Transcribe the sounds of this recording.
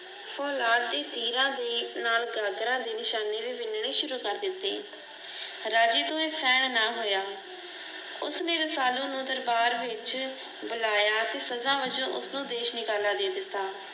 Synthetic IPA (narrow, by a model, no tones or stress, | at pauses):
fʰɔːlaːt̪̚d̪eːt̪iːɾãːd̪eːnaːlɡaːɡɾãːd̪eːnɪʃaːneːʋiːʋɪnɳ̃ĩːʃʊɾuːkəɾd̪ɪt̪ːḛː | ɾaːd͡ʒiːt̪õːeːsɛːɳnaːɦoːjaː | ʊsnẽːɾəsaːlõːnũːd̪əɾbaːɾʋɪt͡ʃ | bʊlaːjaːt̪eːsəzãːʋəd͡ʒõːʔʊ̰snũːd̪eːʃnɪkaːlaːd̪eːd̪ɪt̪ːaː